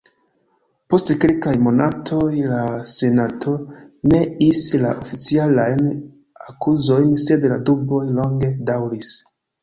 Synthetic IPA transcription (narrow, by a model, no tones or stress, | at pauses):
po̞stkilkajmo̞natʰo̞jlase̞natʰo̞ne̞isla̰ʔofit͡sialajn | akʰuzo̞jnse̞dla̰dubo̞jlo̞ŋɡe̞dawɾis